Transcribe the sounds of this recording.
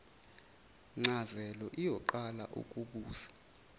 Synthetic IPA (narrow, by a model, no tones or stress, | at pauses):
ŋ͡ǀazɛlɔʔijɔǃala̰ʔṵkʼuɓuːzḁ